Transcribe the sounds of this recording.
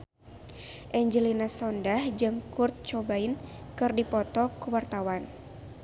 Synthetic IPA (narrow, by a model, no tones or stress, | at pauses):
ʔɛɲd͡ʒəlinasɔndahd͡ʒɨŋkurt̪̚t͡ʃɔbainkɨrdipɔt̪ɔkuwart̪awan